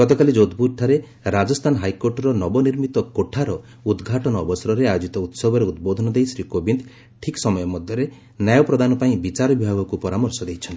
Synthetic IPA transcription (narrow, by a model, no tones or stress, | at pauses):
ɡɔt̪ɔkalid͡ʒod̪buɾʈ̪ʰaɾe | ɾad͡ʒɔst̪ʰanɔɦajkoɾʈɔɾɔnɔbɔniɾmit̪ɔkoʈʰaɾɔ | ud̪ɡʱaʈɔnɔːbɔsɔɾɔɾeajod͡ʒit̪ɔut̪sɔbʱɔɾeud̪̚bod̪ʱɔnɔd̪ejsɾikobind̪ | ʈʰiksɔmɔjɔmɔd̪ʱjɔɾe | najɔpɾɔd̪anɔpaĩbit͡ʃaɾɔbibʱaɡɔkupɔɾamɔɾsɔd̪ejt͡ʃʰɔnt̪i̥